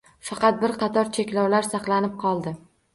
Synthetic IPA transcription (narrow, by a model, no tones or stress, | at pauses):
fɑqɑt̪̚bɪɾqɑt̪ʰɒɾt͡ʃʰekʲlɒwlaɾsɑqlanɪp̚qʰɒlˠd̪ɪ